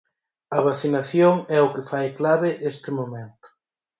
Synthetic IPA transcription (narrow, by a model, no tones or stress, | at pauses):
ɐβaθinaθjoŋɛʊkɪfajklaβɪʔest̪ɪmomẽnt̪ʊ̥